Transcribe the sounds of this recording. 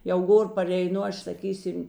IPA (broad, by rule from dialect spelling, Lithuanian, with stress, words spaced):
jɛʊ ˈɡoːr pɐrʲɛɪˈnʊ ˈɐʃ sɐˈkʲiːsʲɪm